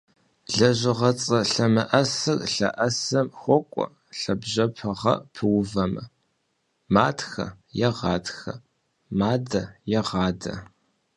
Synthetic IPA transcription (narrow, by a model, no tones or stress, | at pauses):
ɮɐʑʷɪʁɐt͡sʼɐɬɐmɐʔɐsɨkɬɐ̰ʔɐsɐmxʷɔkʷʼɔ̰ | ɬɐbʑɐpʰɐʁɐ̰pʰɨwvɐmɐ | maːtxɐ̰ | jɛʁɑːtxɐ | maːdɐjɛʁɑːdɐ̰